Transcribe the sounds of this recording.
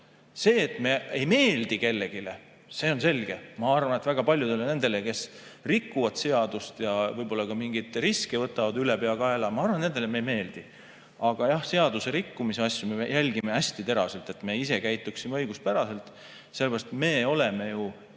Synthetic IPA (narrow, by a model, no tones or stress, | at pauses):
se̞ːt̪ˑme̞ejme̞ːld̪ike̞lːe̞ɡ̥ile̞ | se̞o̞nse̞lʲɡ̥e̞mɑɑrvɑnet̪væɡ̥ɑpɑlʲjud̪elːene̞nd̪̥e̞leke̞s | rikːuvɑd̪̥se̞ɑd̪̥ust̪jɑvɤjbo̞lːɑkɑmiŋɡ̥it̪ˑriskivɤt̪ːˑɑvɑd̪ylepeɑɡ̥ɑelɑmɑɑrvɑne̞nelemejme̞ːld̪̥i | ɑɡ̥ɑjɑhse̞ɑd̪̥use̞ɾikːumise̞ɑsʲjume̞jʔælʲɡ̥ime̞æsʲt̪it̪e̞ɾɑ̰se̞lt̪ːˑe̞t̪ːˑme̞ise̞kæjt̪ːˑuksimeɤjɡ̥ust̪̚pæɾɑse̞lt̪ˑ | sele̥ɾɑst̪me̞ːo̞le̞me̞ju